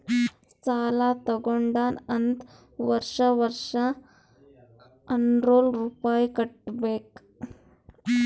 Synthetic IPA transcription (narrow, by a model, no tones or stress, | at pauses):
salat̪əɡoɳɖanənd̪ | ʋəɾʂaʋəɾʂa | ənɾolɾupajkəʈ̚bek